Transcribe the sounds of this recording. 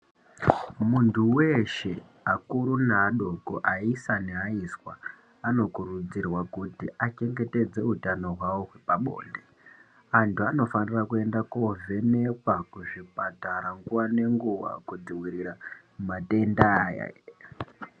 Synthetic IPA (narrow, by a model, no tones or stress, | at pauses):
muntʰuwe̞ʃe̞ | akuɾunaɗo̞koʔaisaneaiswa̰ | ano̞kurud͡zirwakutiat͡ʃe̞ŋɡe̞te̞d͡ze̞utano̞ɦwawoɦwepaɓo̞̰ːnde | antʰuano̞fanirakue̞ndako̞ve̞ne̞kwakuʐipataɾaŋɡuwane̞ŋɡuʋa̰kud͡ziwiɾiɾa | umate̞ndaːja̰